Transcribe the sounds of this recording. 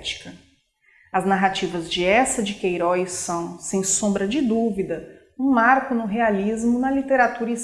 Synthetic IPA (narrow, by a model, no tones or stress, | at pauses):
t͡ʃi̥kɐ | ɐznaɦat͡ʃivɐzd͡ʒɪɛsɐd͡ʒɪkejɾɔjsɐ̃w̃sẽj̃sõmbɾɐd͡ʒɪd̪uvid̪ɐ | ũmaɾkʊnʊɦealizmʊnɐlit̪eɾat̪uɾis